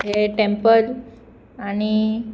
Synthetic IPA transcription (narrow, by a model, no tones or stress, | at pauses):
ɦeʈẽmpəl | ani